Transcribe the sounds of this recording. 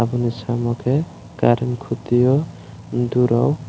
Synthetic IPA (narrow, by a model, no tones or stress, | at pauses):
abunisamɔkʰe | kaɾinkʰut̪ijɔ | d̪uɾaw